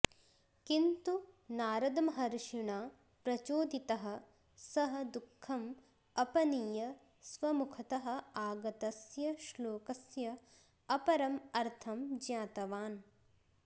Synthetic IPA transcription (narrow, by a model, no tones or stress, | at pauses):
kint̪unaːɾɐd̪ɐmɦɐɾʃiɳaː | pɾɐt͡ʃoːd̪it̪ɐɦɐ̆ | sɐɦɐ̆d̪ukʰːɐm | ɐpɐniːjɐ | sʋɐmukʰɐt̪ɐɦɐ̆aːɡɐt̪ɐsjɐʃloːkɐsjɐ | ɐpɐɾɐmɐɾt̪ʰɐmd͡ʒjaːt̪ɐʋaːn